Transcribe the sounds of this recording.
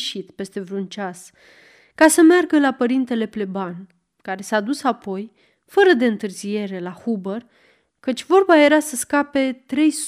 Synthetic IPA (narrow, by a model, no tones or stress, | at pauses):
ʃit̪pe̞st̪e̞vɾunt͡ʃas | kasəmearɡəlapəɾint̪e̞le̞ple̞ban | kaɾe̞saːd̪usapo̞j | fəɾəd̪e̞ɨnt̪ɨrzije̞ɾe̞lahubər | kət͡ʃʲvo̞rbaje̞ɾasəskape̞t̪ɾe̞js